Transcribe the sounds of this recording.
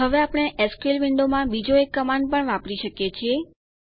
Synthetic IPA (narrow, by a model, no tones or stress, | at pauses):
ɦəʋeapɽ̃eʔɛskelʋɪɳɖomãbid͡ʒoekːəmãɳɖ̚pəɳʋãpɽiʃəkjet͡ʃʰie